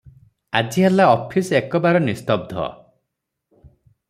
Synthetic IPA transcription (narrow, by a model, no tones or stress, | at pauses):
ad͡ʒiɦalaɔpʰisekɔbaɾɔnist̪ɔb̚d̪ʱɔ̰